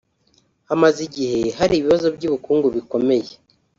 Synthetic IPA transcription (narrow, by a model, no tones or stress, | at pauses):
amaziɟihe̞haɾiβiβazo̞bɟuβukuːŋɡuβiko̞me̞je